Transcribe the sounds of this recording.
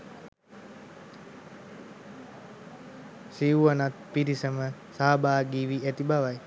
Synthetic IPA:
siuʋanat̪̚piɾisəməsaɦabaːɡiːʋiæt̪ibaʋaj

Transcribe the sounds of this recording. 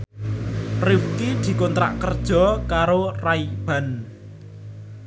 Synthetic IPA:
riwkid̪̥i̤kɔnt̪ɾa̰ʔkərd̥ʒ̥ɔ̤kaɾoraib̥a̤n

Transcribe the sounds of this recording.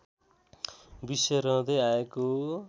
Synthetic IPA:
bisʌɾʌ̃d̪ʌjaeko

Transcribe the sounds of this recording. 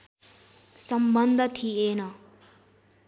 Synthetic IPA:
sʌmbʌnd̪ʱʌt̪ʰienʌ

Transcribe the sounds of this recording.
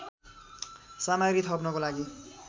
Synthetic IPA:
samaɡɾit̪ʰʌpnʌkolaɡi

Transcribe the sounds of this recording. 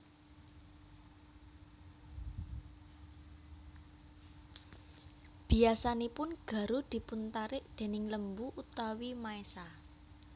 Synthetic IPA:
b̥i̤asanipʊnɡ̥ä̤ɾud̪̥i̤punt̪aɾɪʔd̪̥e̤nɪŋləmbuʔut̪awimaesa

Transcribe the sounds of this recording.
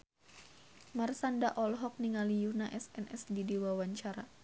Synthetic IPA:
marsandaʔɔlɦɔk̚niŋalijunaʔɛsɛnʔɛsdidewawaɲt͡ʃaɾa

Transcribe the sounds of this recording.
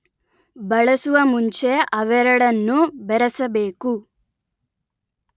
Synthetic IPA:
bɐɭɐsuʋɐmuɲt͡ʃe̞ʔɐʋɛɾɐɽɐnːubɛɾɐsɐbe̞ːku

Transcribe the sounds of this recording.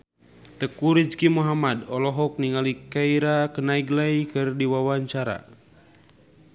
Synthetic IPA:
t̪əkuɾid͡ʒkimuɦamadɔlɔɦɔk̚niŋalikaiɾakənaiɡlajkɨrdiwawaɲt͡ʃaɾa̰

